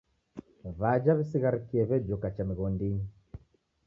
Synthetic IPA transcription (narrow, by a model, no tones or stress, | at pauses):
βad͡ʒaβisiɣaɾikiɛβɛd͡ʒɔkat͡ʃamiɣɔndi